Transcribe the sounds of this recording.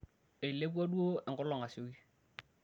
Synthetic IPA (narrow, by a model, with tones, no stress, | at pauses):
e˨i˨le˦p̬wɔ˦du˦o˦ɛ˨ŋɡʊ˦lɔ˨ŋa˨sɪ˨o˦ki˦